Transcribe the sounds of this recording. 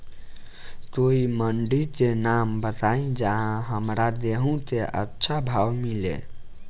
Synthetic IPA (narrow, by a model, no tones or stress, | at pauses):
t̪oiməɳɖit̪enambət̪aĩd͡ʒəɦãɦəmɾad̪eɦũt̪eʔə̰tːʃʰabʱawmilḛ